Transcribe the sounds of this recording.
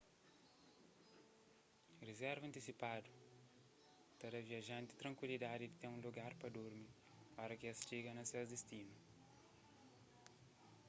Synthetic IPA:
rezɛɾvɐ̃nt̪isipad̪ʊ | t̪ɐɾɐviaʒɐ̃nt̪ɪ̥t̪ɾɐ̃ŋkwilid̪ad̪ɪd̪ɪt̪eɾũluɡaɾpɾɐd̪uɾmi | ɔɾɐkɪɐst͡ʃiɡɐnɐsewzd̪est̪inu

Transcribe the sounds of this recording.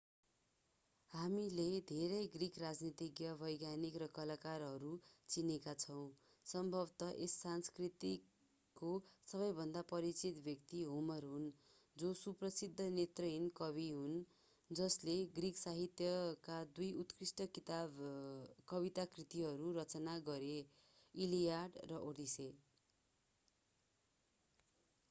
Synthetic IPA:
ɦamiled̪ʱeɾʌjɡrikʰrad͡znit̪ikɡjʌbʱʌjɡjanikrʌkʌlakarɦʌɾut͡sinekat͡sʰʌw̃ | sʌmbʱʌbt̪ʌʔesːanskrit̪i | kosʌβʌjbʱʌnd̪apʌɾit͡sit̪bjʌkt̪iɦumʌrɦun | d͡zosuprʌsid̪ʱːʌnet̪rʌinkʌβiɦun | d͡zʌsleɡriksaɦit̪jʌkad̪ujut̪krisʈʌkit̪a | kʌβit̪akrit̪iɦʌɾuɾʌt͡sʌnaɡʌɾeilijaɖrʌʔod̪ise

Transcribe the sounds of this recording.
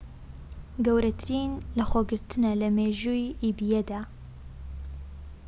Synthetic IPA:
ɡɐwɾɐt̪ʰɨɾiːnlɐxoɡɨɾt̪ʰɨnɐlɐmeːʒuːiʔiːbijed̪aː

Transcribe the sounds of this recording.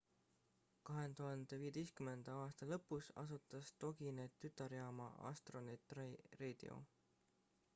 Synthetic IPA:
kɑɦe̞t̪uɦɑnd̪̥e̞viːje̞t̪e̞jst̪kymend̪̥ɑɑːst̪ɑlɤpːˑusɑ̰sut̪ːˑɑst̪o̞ɡinet̪yt̪ːˑɑɾjɑːmɑ̰ʔɑ̰st̪ro̞net̪ˑrreːd̪̥ḭo̞̰

